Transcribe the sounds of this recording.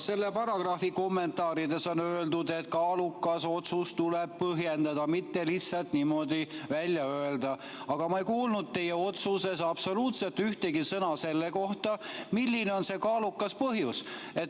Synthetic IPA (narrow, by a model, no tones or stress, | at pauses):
se̞lːepɑɾɑɡ̥rɑfiko̞mːe̞nt̪ɑːɾid̪e̞so̞nøːld̪ud̪e̞t̪kɑːlukːˑɑso̞t̪sust̪uleb̥̚pɤɦje̞nd̪ɑd̪̥ɑmit̪ːe̞lisːɑlt̪nimo̞d̪ivælʲjɑøeld̪̥ɑ | ɑɡ̥ɑmɑejkuːlnud̪̥̚t̪e̞jeo̞t̪suse̞sɑb̥so̞luːt̪se̞lt̪ːyht̪e̞ɡisɤnɑse̞lːeko̞ht̪ɑmilʲːineo̞nse̞kɑːlukːɑspɤɦjuset̪